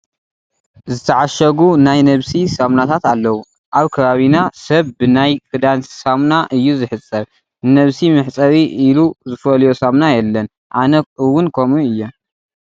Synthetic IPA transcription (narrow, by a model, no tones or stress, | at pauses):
zɨt̪ʰɐʕaʃɐɡunajnɐβsisamnat̪ʰat̪alːɐwu | ʔaβkʰɐβaβinasɐβbɨnajkʰɨd̪ansamnaʔɨjːuzɨħɨt͡sʼːɐɾ | nɐβsimɨħt͡sʼɐɾiʔːluzɨfɐljosamnajɛlːɐn | ʔanɐɨwːʊnkʰo̞muɨjːɐ